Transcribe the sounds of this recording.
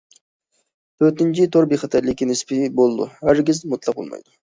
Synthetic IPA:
øt̪ɪnt͡ʃʰit̪ʰoɾbeχɑt̪ʰɛɾlɪkʲːinɪspɪbolˠɨd̪ṵhæɾɡʲizmut̪ʰlˠɑq̚bo̰lˠmɑ̰jd̪ʊ

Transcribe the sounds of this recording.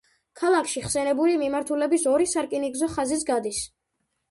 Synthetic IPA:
kʰalˠakʰʃiχsɛnɛbulimimaɾt̪ʰulɛbisɔɾisaɾkʼiniɡzɔχazis̬ɡad̪is

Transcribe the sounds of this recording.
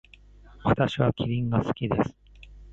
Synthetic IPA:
βat̪aɕiβakʲiɾʲĩŋɡasɨ̥kʲid̪e̞sɨ̥

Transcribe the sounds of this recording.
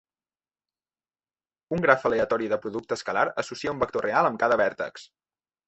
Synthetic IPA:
uŋɡɾafəleət̪ɔɾiðəpɾuðuk̚t̪əskəlaɾəsusiaumbək̚t̪orʔealəmkaðəβɛɾt̪ə̰ks

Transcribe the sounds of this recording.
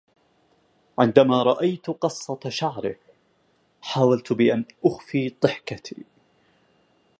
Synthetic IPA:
ʕɪnd̪amaːɾˤɑʔajt̪qɑsˤːɑt̪ʃaʕɾɪ | ħaːwalt̪bɪʔanʔʊxfiːt̪ˤɨħkat̪ʰḭː

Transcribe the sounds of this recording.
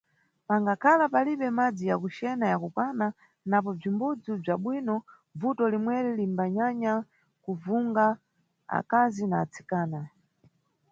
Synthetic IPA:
paŋɡakʰalapaliɓɛmad͡zijakuʃɛnajakupana | nap̬ɔb͡ʐimbud͡zub͡ʐaɓwinɔ | b͡vutɔlimwɛɾɛlimbaɲaɲa | kuvuŋɡa | a̰kazinaːt͡sʰi̥kaːna

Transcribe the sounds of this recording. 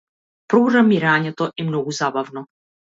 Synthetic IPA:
pɾuʐamiɾaɲʲɛt̪ɔʔimnɔɡuzabavnɔ

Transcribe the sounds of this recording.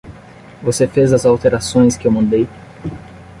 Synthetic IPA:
vosefezɐzawt̪eɾasõj̃skɪewmɐ̃nd̪ej

